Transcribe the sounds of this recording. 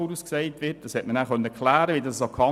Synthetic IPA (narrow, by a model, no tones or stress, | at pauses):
uɾusksɛɪtʋɪt̚d̥ɑshɛtmənæːχœnəɛkʰlæːɾəʋidɑssokʰɑ